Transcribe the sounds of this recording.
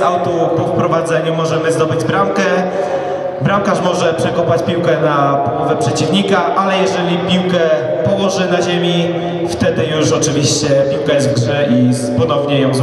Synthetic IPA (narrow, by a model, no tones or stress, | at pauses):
awt̪upɔfpɾɔvad̪zɛɲumɔʐɛmɘzd̪ɔbɘd͡ʑbɾamkɛ | bɾamkaʂmɔʐɛpʂɛkɔpat͡ɕpʲiwkɛnapɔwɔvɛpʂɛt͡ɕivɲikaʔalɛjɛʐɛlʲipʲiwkɛ | pɔwɔʐɘnaʑemʲi | ft̪ɛd̪ɘjuʂɔt͡ʂɘvʲiɕt͡ɕɛpʲiwkajɛzt̪ɡʐɛʔi | pɔn̪ɔvɲɛjɔ̃w̃